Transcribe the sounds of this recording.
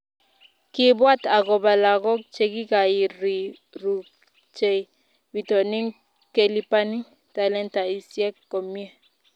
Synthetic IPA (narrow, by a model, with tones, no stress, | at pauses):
kɪ˦bwa˦ta˨ɣɔ˨ba˨la˨ɣɔ˦k̚t͡ʃe˨ɡi˦ka˨i˨ɾi˨ | ɾu˨ | t͡ʃe˨i˨ | bi˨tɔ˨ni˦ŋ | ke˦li˦pa˦ni˦ | ta˨lɛ˦nta˨i˨sjɛ˦kːɔ˨mi˦e˦